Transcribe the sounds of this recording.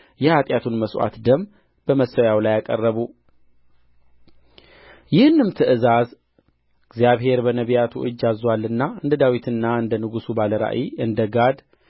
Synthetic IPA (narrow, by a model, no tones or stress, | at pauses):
jɛhat̪ʼjat̪ʰunməswa̰t̪d̪əm | b̥əməsəjawlajakʼə̰rːəβu | jɪhɨnːɨmt̪ʰɨʔɨzaz | ɨɡzijaβhe̞ɾbənəβijat̪ʰuʔɨd͡ʒːazwalːɨnːaɨnd̪əd̪awit̪ʰɨnːaɨnd̪ənɨɡusubaləɾa̰ʔiɨnd̪əɡad̪